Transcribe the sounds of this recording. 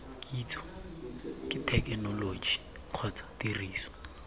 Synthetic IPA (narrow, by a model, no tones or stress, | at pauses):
kʼiːt͡sʰʼɔ̥ | kʼɪtʰɛkɛnɔloːd͡ʒi | q͡χʰɔt͡sʰɔ̥tiriːsɔ̥